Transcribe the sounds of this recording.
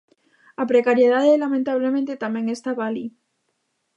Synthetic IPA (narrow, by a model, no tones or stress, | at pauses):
apɾekaɾjeðaðelamẽnt̪aβ̞lemẽnt̪et̪amẽ̞ŋe̞st̪aβali